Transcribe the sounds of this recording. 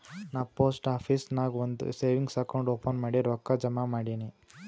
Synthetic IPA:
naːpoːsʈaːpʰiːsnaːɡʋond̪ṵseːʋiŋɡsɐkoɳɖoːpɐnmaːɽiɾɔːkːad͡ʒɐmamaːɽini

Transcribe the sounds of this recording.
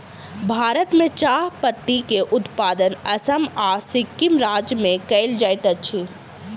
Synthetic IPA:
bʱaːɾət̪mẽt͡ʃaːɦpət̪ːikeʔʊt̪paːd̪ənɐsəmaːsɪkːimɾaːd͡ʒjmẽkɛɪld͡ʒaːjt̪ɐt͡ʃʰi

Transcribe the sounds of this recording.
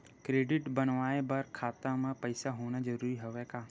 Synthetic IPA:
kɾeːɖɪʈbənʋaːebɐɾkʰaːt̪amə̃pɐɪsaɦoːñad͡ʒɐɾuːɾiɦɐʋekaː

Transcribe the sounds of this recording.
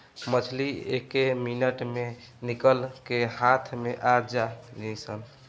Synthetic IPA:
mət͡ʃʰliekeminəʈme | nikəlkehat̪ʰmeʔad͡ʒalisəl

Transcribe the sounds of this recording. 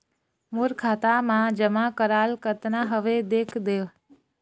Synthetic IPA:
moɾkʰaːt̪amãd͡ʒəmakəɾaːlkət̪naɦəʋed̪eːkʰd̪eːʋ

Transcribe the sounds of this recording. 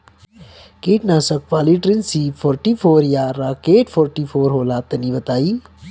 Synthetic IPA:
kiːʈnaːsɐk̚ʋaːliʈɾinsiːfʰoːɾʈiːfʰoːɾjaːɾaːkeːʈfʰoːɾʈifʰoːɾɦoːlaːt̪ɐnibɐt̪aːiː

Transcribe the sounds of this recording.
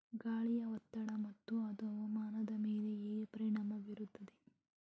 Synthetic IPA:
ɡaːɭijɐʋɐt̪ːɐɽɐmɐt̪ːuɐd̪uɐʋɐmaːnɐd̪ɐmeːleeːpɐɾiɳɐmɐʋiɾut̪ːɐd̪e

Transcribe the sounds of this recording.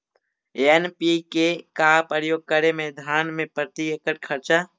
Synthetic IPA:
enpikekaːpəɾjoːɡ̚kəɾemẽd̪ʱaːnmẽpɾət̪iekəʈ̚kʰəɾt͡ʃa

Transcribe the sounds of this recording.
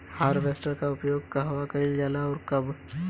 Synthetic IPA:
haːɾbeːsʈəɾkaʊpjoːɡ̚kɐɦwakɐid͡ʒaːlaɔːɾkɐb

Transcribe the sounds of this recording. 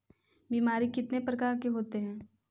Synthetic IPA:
biːmaːɾikɪt̪nepɾɐkaːɾkeɦoːt̪eɦɛ̃ː

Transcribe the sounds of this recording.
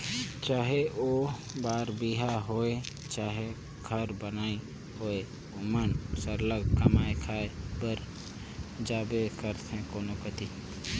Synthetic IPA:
t͡ʃaːɦeʔoːbaːɾbiɦaɦoːe | t͡ʃaːɦe | ɡʱəɾbənaːi | hoːe | omənsəɾləɡkəmaːekʰaːebəɾ | d͡ʒaːbekəɾt̪ʰɛ̃koːnokət̪i

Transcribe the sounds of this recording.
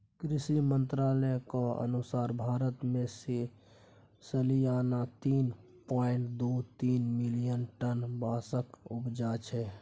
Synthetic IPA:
kɾisimənt̪ɾalɛkɔə̰nusaːɾbʱaɾət̪mẽse | səlijanat̪iːn | pɔɪɳʈd̪ot̪iːnmilijənʈənbasəkupd͡ʒat͡ʃʰɛ

